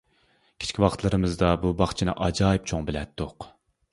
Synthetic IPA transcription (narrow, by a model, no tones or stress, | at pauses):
kʲʰe̥t͡ʃʲkʲʰiwɑqt̪lˠɨɾɨmɨzd̪ɑbubɑχt͡ʃʰinɨ̰ʔɑd͡ʒɑːjip̚t͡ʃʰoŋbɪlɛt̪ːʊq